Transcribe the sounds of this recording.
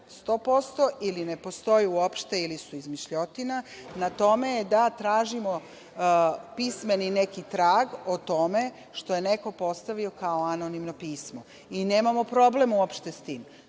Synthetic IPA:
st̪o̞ːpo̞st̪o̞iline̞po̞st̪o̞juuopʃt̪e̞ilisuizmiʃʎo̞t̪inanat̪o̞me̞jed̪at̪ɾaːʒimo | pisme̞nine̞kit̪ɾaːɡot̪o̞me̞ | ʃt̪o̞jene̞ko̞po̞st̪aʋio̞kaoano̞nimno̞piːsmo̞ | ine̞ːmamo̞pɾo̞ble̞muopʃt̪est̪iːm

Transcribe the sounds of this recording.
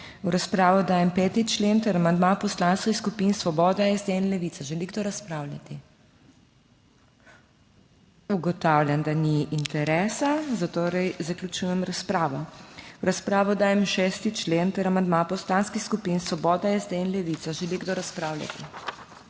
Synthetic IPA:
uɾaspɾaːʋɔd̪aːjɛmpɛːt̪it͡ʃlent̪ɛɾamand̪mapɔslanskixskupinsʋɔbɔːd̪aɛzd̪ɛinlɛʋit̪aʒɛliɡd̪oɾaspɾawlʲja̰t̪i | uɡɔt̪aːwljand̪aniʔːnt̪ɛɾɛːsazat̪oːɾɛjzaklʲut͡ʃuːjɛmɾaspɾaːʋɔwɾaspɾaːʋɔd̪aːjɛmʃɛst̪it͡ʃlent̪ɛɾamand̪mapɔslanskixskupinsʋɔbɔːd̪aɛzd̪ɛinlɛʋit̪saʒɛliɡd̪oːɾaspɾawlʲa̰t̪i

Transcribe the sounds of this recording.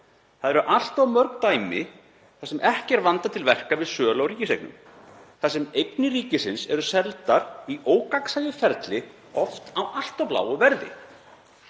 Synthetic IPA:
θaðɛɾʏʔal̥t̪awmœɾkt̪aːjmɪ | θasɛmʔɛhcɛɾvant̪at̪ʰɪlvɛr̥kavɪðsœːlawriːcɪsejknʏ̰m | θasɛmejknɪriːcɪsɪnsɛɾʏsɛlt̪aɾiʔoːwkaksajɪfɛɾt̪lɪ | ɔft̪awʔal̥t̪awpla̰ːwʏvɛɾðɪ̰

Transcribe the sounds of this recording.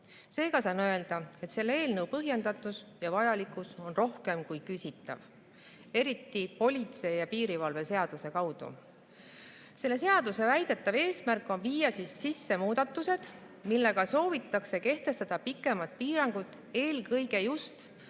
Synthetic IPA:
se̞ːɡ̥ɑsɑnø̞e̞ld̪̥ɑe̞t̪se̞lːee̞ːlnɤwpɤɦje̞nd̪ɑt̪ːˑusjɑvɑjɑlikˑuso̞nro̞hke̞mkujkysʲit̪ːˑɑ̰v | e̞ɾit̪ːˑipo̞lʲit̪se̞jjɑpiːɾivɑlve̞se̞ɑd̪̥use̞kɑwd̪̥ṵ | se̞lːe̞se̞ɑd̪use̞væjd̪̥e̞t̪ːˑɑve̞ːsmærkːˑo̞nviːjɑsissisːe̞muːd̪̥ɑt̪ːˑuse̞d̪̥ | milːe̞ɡ̥ɑso̞ːvit̪ːˑɑkse̞ke̞ht̪e̞st̪ɑd̪̥ɑpikːˑe̞mɑt̪̚piːɾɑŋɡ̥ut̪ːˑ | e̞ːlkɤ̞jɡ̥e̞just̪

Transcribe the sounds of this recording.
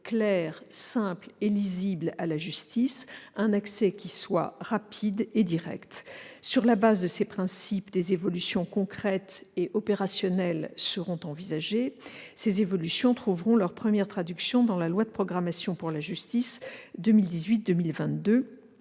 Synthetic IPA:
klɛʁsɛ̃pleliziblalaʒyst̪isɛ̃naksɛkʲiswa̰ʁapʰid̪ed̪iʁɛ̰kt̪syʁlabazd̪əsepχɛ̃sipd̪ezevɔlysjɔ̃kɔ̃kχɛt̪eʔɔpeʁasjɔnɛlsəʁɔ̃t̪ɑ̃vizaʒesezevɔlysjɔ̃t̪χuvʁɔ̃lœʁpχəmjɛʁt̪χad̪yksjɔ̃d̪ɑ̃lalwad̪əpχɔɡʁamasjɔ̃puʁlaʒyst̪isd̪ømild̪izɥit̪̚d̪ømilvɛ̃t̪̚d̪ø

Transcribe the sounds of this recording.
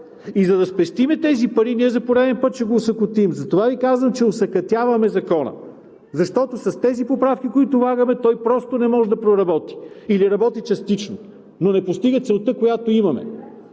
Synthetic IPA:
izɐd̪ɐspɛst̪imɛt̪ɛzipɐɾiniɛzɐpoɾɛd̪ɛnpət̪̚t͡ʃɛɡoːsɐkʊt̪imzɐt̪ovavikazvəmt͡ʃɛosɐkɐt̪ʲjavɐmɛzɐkɔnə̰ | zɐʃt̪ɔt̪osɐst̪ɛzipopɾafk̟ikoit̪ʊvaɡɐmɛt̪ɔjpɾɔst̪onɛmɔʒɛd̪ɐpɾoɾɐbɔt̪i̥ | iliɾɐbɔt̪it͡ʃɐst̪it͡ʃno | nonɛpost̪iɡət̪sɛlˠt̪əkojat̪oimɐmɛ̰

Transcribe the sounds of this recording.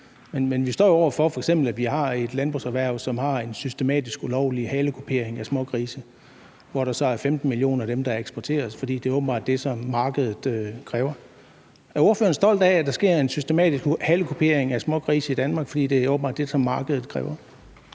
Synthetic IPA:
menmenʋisd̥ɒ̰ːjoɒʊɐfɒ̽fɒ̽eɡ̥sem̰b̥l̩æʋihɑ̈e̝d̥lænb̥ʁṵsæʋæɐ̰sɒ̽mhɑ̈e̝nsysd̥e̝mɛ̰ːd̥isɡ̥ulɒʊ̰lihɛːləkʰupʰe̝ɐ̰eŋæsmɔ̽kʰʁiːsə | ʋɒɾ̥ɑ̈sɒ̽æɐfemd̥n̩milio̝̰ːnɐæd̥emd̥ɑ̈eɡ̥sb̥ɒt͡sʰe̝̰ːɐfɒ̽d̥ḭːd̥e̝æɔːb̥̚n̩bɑ̰̈ːd̥ːe̝sɒ̽mːɑ̈ːɡ̥əð̞ˠð̩ˠøkʰʁɛːʊɐ | æɐo̝ɐføːɐn̩sd̥ɒ̽l̰d̥æd̥ɑ̈sɡ̥e̝ɐ̰e̝nsysd̥e̝mɛ̰ːd̥isɡ̥hɛləkʰupʰe̝ɐ̰eŋæsmɔ̽kʰʁiːsəid̥ænmɑ̈ːɡ̥fɒ̽d̥ḭːd̥e̝æoːb̥m̩bɑ̰̈ːd̥e̝sɒ̽mːɑ̈ːɡ̥əð̞ˠð̩ˠkʰʁɛ̰ːʊɐ

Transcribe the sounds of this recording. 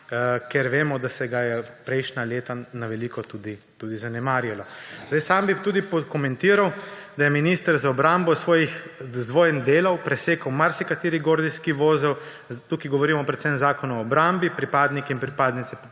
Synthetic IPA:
keɾʋeːmɔd̪asɛɡajɛpɾɛjʃnaleːt̪anaʋɛlikɔt̪uːd̪i | t̪uːd̪izanɛmaːɾjalɔzd̪ajsaːmbit̪uːd̪ipɔkɔmɛnt̪iːɾawd̪ajɛminiːst̪əɾzaɔbɾambɔsʋoːjixzd̪ʋoːjɛmd̪eːlawpɾɛseːkəwmaɾsikat̪iːɾiɡoːɾd̪iskiʋoːzɛw | t̪ukiɡɔʋɔɾiːmɔpɾɛt̪sɛmzaːkɔnuɔːbɾambipɾipaːd̪nikɛinpɾipaːd̪nit̪sɛ

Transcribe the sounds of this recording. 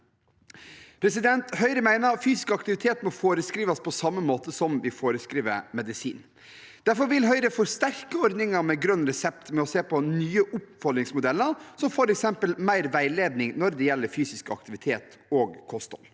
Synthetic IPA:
pʰɾɛsɪd̪ɛnt̪hœʏɾəmæɪnəɾfyːsɪ̥skəɑkt̪ɪʋɪt̪ʰeːt̪mɔfoːɾəskɾiːʋɑspʰɔsɑmːəmoːt̪əsɔmʋɪfoːɾəskɾiːʋə̰ɾmɛd̪ɪsḭːn | d̪̥æɾfɔɾʋɪlɦœʏɾəfɔɾst̪æɾkəɔɾd̪nɪŋɑɾmɛɡɾœnːɾɛsɛpt̪mɛɔseːpʰɔnyːəʔʊpfɔlnɪŋsmʊd̪ɛlːəɾsɔmfɔɾɛksɛmpəlmæɪɾʋæɪleːd̪nɪŋnɔɾd̪ɛjɛlːəɾfyːsɪskəɑ̰k̚t̪ɪʋɪt̪ʰeːt̪ | oːɡkʰɔst̪ɔ̰l

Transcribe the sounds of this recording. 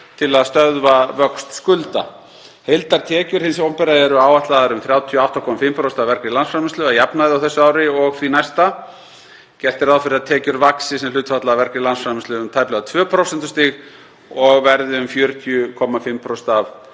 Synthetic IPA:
t̪ʰɪlaðst̪œðvavœkst̪skʏlt̪a̰ | hejlt̪aɾ̥t̪ʰɛːcʏɾ̥hɪnsowmpɛɾaðɛɾʏaːwaht̪laðaɾʏmθɾjaːwt̪ʰjɔawht̪akʰɔːmafɪmpʰɾost̪avɛɾkɾɪlansfɾamɪnst̪lʏaðjapnaðɪawθɛsːʏaːwɾɪɔɣθɾinajst̪a | cɛl̥t̪ɪɾaðfɪɾɪaðt̪ʰɛːcʏɾvaksɪsɛml̥ʏːt̪fat̪laːvɛɾkɪlansfɾamɪnst̪ʏʏmt̪ʰaːjplɛɣat̪ʰvœːpʰɾowsɛn̥t̪ʏ̥st̪iɣ | ɔɣvɛɾðɪʏmfjœːɾt̪ʰjʏkʰɔmafɪmːpʰɾost̪av

